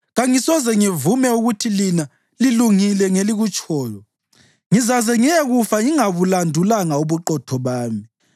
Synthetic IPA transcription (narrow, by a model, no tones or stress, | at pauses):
ɣaŋisɔzɛŋivumɛuɣutʰilina | liluŋilɛŋeliɣut͡ʃʰʼɔːjɔ | ŋizazɛŋiɛɣufaŋiŋaβulandʱulaŋauβuǃɔtʰɔβaːmi